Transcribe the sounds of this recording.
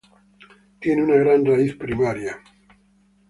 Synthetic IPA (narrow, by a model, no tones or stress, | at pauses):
t̪enunaɣɾanraiθpɾimaɾja